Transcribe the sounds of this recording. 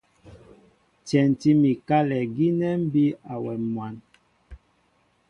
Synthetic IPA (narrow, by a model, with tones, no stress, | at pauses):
tɛ˨n˨ti˦mi˨ka˦lɛ˨ɡi˦nɛ˦m̩˦bi˦a˨wɛ˨mwa˨n